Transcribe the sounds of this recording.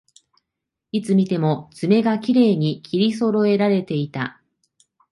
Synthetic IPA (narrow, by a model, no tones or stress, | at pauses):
it͡sɨmʲit̪e̞mo̞z̥ɨme̞ɡakʲiɾe̞ːɲ̟ikʲʰiɾʲiso̞ɾo̞e̞ɾaɾe̞t̪e̞it̪a